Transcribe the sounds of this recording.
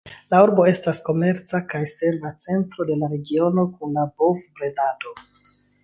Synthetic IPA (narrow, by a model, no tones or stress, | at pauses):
lauɾbo̞e̞stasko̞me̞ɾt͡sakajse̞nlat͡se̞ntɾo̞de̞laɾe̞ɡio̞no̞kunlabovbɾe̞nado̞